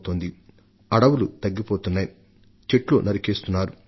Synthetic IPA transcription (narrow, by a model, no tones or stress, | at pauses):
t̪o̞ːnd̪i | ɐɽɐwulut̪ɐɡːipoːt̪unːaːj | t͡ʃeʈloːnɐɾikeːst̪unːaːɾu